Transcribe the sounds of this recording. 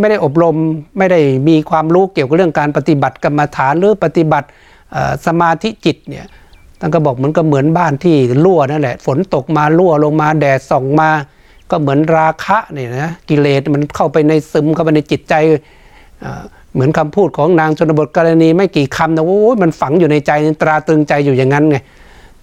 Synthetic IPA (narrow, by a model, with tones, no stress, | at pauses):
ma˥˩jda˥˩jʔo˨˩p̬̚ɾo˧mːa˥˩jda˥˩jmiː˧kʰwaː˧mɾuː˦˥ki˨˩wka˨˩ɾɯ˥˩əŋkaː˧npa˧t̪i˨˧˩ba˨˩t̪̚ka˧mːa˧t̪ʰaː˩˦nɾɯː˨˦pa˧t̪i˨˩ba˨˩t̪̚ | ʔə̰ː˨˩sa˧maː˧t̪ʰi˦˥ʔt͡ɕi˨˩t̪̚nḭ˧˩ɐ | t̪ʰa˥˩nkʰɔ˧˩bɔː˨˩k̚mɯ˩˦ənkaː˧˩mɯ˩˦ənbaː˥˩nt̪ʰiː˥˩lu˥˩ɐna˥˩nlɛ˨ʔfo˩˦nt̪o˨˩k̚maː˧lu˥˩əlo˧ŋmaː˧dɛː˨˩sɔ˨˩ŋmaː˧ | kɔː˥˩mɯ˩˦ənɾaː˧kʰa˦˥ʔni˧˩a˧˦˥ki˧leː˨˩t̪̚ma˧nkʰa˥˩wpa˧jna˧jsɯ˧˩mkʰa˧˩wpa˧na˧t͡ɕi˨˩t̪̚t͡ɕa˧j | ʔə̰ː˨˧˩ | mɯ˩˦ənkʰa˧mpʰuː˥˩t̪̚kʰɔː˨˦ŋnaː˧ŋt͡ɕ̪ʰo˧na˧bo˨˩t̪̚kɔː˧ɾa˧niː˧ma˥˩jkiː˨˩kʰa˧mna˧˩ʔo˦ʔjma˧nfa˨˩˦ŋjuː˨˩na˧jt͡ɕa˧jni˧t̪ɾaː˧t̪ɯ˧ŋt͡ɕa˧jːuː˨˩ja˨˩ŋːa˧˥nŋa˧˩